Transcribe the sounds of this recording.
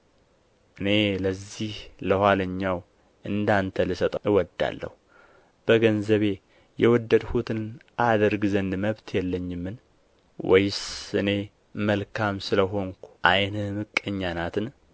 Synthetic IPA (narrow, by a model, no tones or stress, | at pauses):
ʔɨne̞ləzːihləhwaləɲːaw | ʔɨnd̪ant̪ʰəlɨsət̪ʼɪwɔd̪ːa̰lːə̰hu | b̥əɡənzəβe̞ | jɛwɔd̪ːəd̪hut̪ʰɨnʔad̪əɾɡzənd̪məβt̪ʰjɛlːəɲːɪmːɨn | wɔ̰jsɨne̞ | məlkʰamsɨləɦo̞ŋkʷu̥ʔajnɨmɨkʼːəɲːanat̪ʰɨn